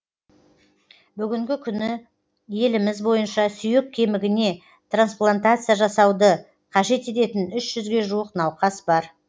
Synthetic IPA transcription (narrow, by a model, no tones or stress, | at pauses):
bʏɡʲɪŋɡʲɪkʲʰʏnɪ | je̞lɪmɪzbo̞jənʃɑsʏjɪkʲʰːe̞mɪɡʲɪne̞ | t̪ransplˠant̪at̪sɨjaʒɑsɑwd̪ə | qʰɑʒe̞t̪e̞t̪e̞t̪ɪnʏʃʒ̥ʏzɡʲe̞ʒuwəqnɑwqɑsbɑɾ